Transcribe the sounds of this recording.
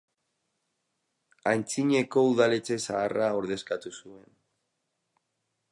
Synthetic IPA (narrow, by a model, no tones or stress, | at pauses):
ant͡siɲe̞ko̞uðalet͡se̞saːrao̞ɾðe̞skat̪usue̞n